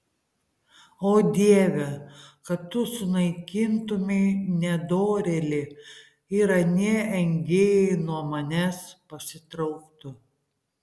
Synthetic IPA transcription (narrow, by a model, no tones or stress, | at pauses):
oːd̪ʲiɛʋʲɛkɐt̪ːʊsʊnɐɪkʲɪnt̪ʊmʲɛɪnʲɛd̪oːɾʲɛlʲɪ | iːɾɐnʲiɛɛŋʲɡʲeːjɛɪnuɔmɐnʲɛspɐsʲɪt̪ɾɐʊkt̪ʊ